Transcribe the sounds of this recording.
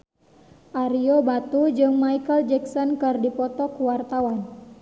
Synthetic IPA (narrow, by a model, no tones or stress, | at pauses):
ʔaɾiobat̪ud͡ʒɨŋmaikəld͡ʒɛksɔnkɨrdipɔt̪ɔkuwart̪awan